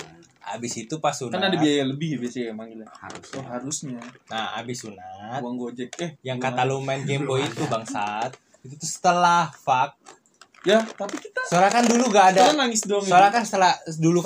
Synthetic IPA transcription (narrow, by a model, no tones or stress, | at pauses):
a̰bɪsit̪upasunkanadabiajaləbɪhjbiasaamaŋilaha̰ɾʊst̪ɔɦaɾusɲanaa̰bɪsunauaŋɡod͡ʒɛkɛhjaŋkat̪alumanɡemboit̪ubaŋsat̪̚ | it̪ut̪usə̥t̪əlahfak̚ | jat̪apikit̪asoɾakanduluŋɡaːdaanaŋɪsdɔŋsoɾakasə̥t̪əladuluk